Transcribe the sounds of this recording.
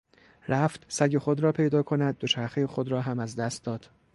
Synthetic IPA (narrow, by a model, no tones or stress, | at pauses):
ɾæft̪sæɟexo̞d̪ɾɒːpʰe̞jd̪ɒːkʰo̞næd̪̚ːo̞t͡ʃʰæɾxejexod̪ɾɒːɦæmæzd̪æst̪̚d̪ɒːd̪̥